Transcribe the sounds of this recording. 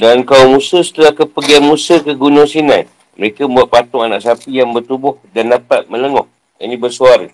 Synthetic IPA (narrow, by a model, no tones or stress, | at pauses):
dankaumusəsə̥t̪əlahkəpəɡianmusəkəɡunʊŋsinãi | məɾekaməmbuat̪̚pat̪ʊŋana̰ʔsapijaŋbərt̪ubʊhdandapat̪̚mə̃ləŋɔh | ḭnĩbərsuaɾə